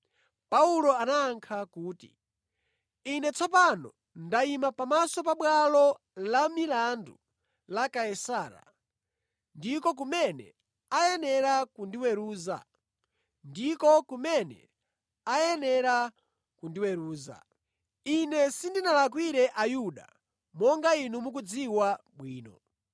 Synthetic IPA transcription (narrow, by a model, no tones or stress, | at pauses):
paulɔanaːŋkʰakuːtḭ | inɛt͡sʰɔp̬anɔ̰ | ndaimapamasɔpaɓwalɔ | lamilandu | lakaɛsaːɾa̰ | ndikɔk̬umɛnɛ̰ | ajɛnɛɾakundiwɛɾuːza̰ | ndikɔkumɛnɛ̰ | ajɛnɛɾa | kundiwɛɾuːza̰ | inɛsindinalak̬wiɾɛʔajuɗa̰ | mɔŋɡainumuk̬ud͡ziwaɓwiːnɔ̰